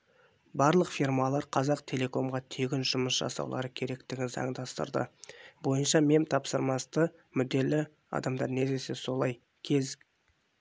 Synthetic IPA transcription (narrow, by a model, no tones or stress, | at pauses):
bɑɾlˠəqfirmɑlˠɑɾqʰɑzɑqt̪ʰe̞lʲe̞ko̞mʁɑt̪ʰeɡʲɪnʒ̥ʊməsʒ̥ɑ̰sɑ̰wlˠɑ̰ɾəkʲʰe̞ɾe̞kt̪ɪɡʲɪnzɑ̰ɴd̪ɑst̪ə̰ɾd̪ə̰bo̞jənʃɑme̞mt̪ʰɑpsəɾmɑst̪əmʏd̪e̞lɪ | ɑ̰d̪ɑmd̪ɑɾne̞zd̪ese̞so̞lˠɑj | kʲʰe̞z